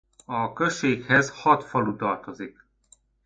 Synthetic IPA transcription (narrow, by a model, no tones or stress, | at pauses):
ɒkøʃːeːkhɛzhɒt̪fɒlut̪ɒrt̪o̞zik